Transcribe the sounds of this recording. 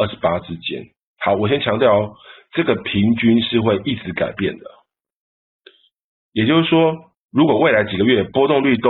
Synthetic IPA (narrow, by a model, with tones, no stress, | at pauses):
ə˥˩ʂɻ̩˧˦pa˦ʈ͡ʂɻ̩˦t͡ɕjɛ̰˦n | hɑ˨˦ʊwɔ˨˩ɕjɛ˦nt͡ɕʰjɑ˧˥ŋt̪jɑ˥˨ʊʈ͡ʂɤ˥˩ɡə˩pʰi˨˦ŋt͡ɕy˥nʂɻ̩˥˧xwe˥˨ɪʔi˥˩t͡sɻ̩˧˦ka̰˨˩ɪpjɛ̰˥˨nd̪ə˩ | jɛ˨˩t͡ɕjo˥˧ʊs̩˥˩ʂwɔ˦˥ | ɻu˧˦˥kwɔ˨˩we˥˩ɪla˧˦ɪt͡ɕi˨˩ɡə˩ɥɛ˥˨pwɔ˥t̪ʊ˥˧ŋly˥˧t̪o˦